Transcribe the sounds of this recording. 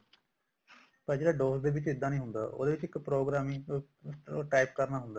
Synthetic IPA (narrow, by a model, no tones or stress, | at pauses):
pəɾd͡ʒeːɽaːɖoːsd̪eːʋɪt͡ʃɪd̪ãːnĩːɦʊnd̪a̰ːʔo̰ːd̪eːʋɪt͡ʃɪkpɾoːɡɾaːmɪ̃ŋ | ʈaːɪp̚kəɾnaːɦʊnd̪aː